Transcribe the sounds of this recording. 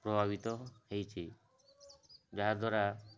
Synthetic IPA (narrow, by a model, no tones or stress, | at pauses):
pɾɔbʱabit̪ɔhejt͡ʃʰi | d͡ʒaɦad̪waɾa